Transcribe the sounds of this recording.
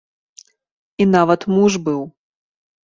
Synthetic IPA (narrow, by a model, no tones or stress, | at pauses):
inavɐt̪muʐbɨw